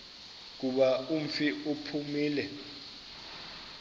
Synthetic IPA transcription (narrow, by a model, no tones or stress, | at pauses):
k̬uɓaum̩fiʔupʰumiːlɛ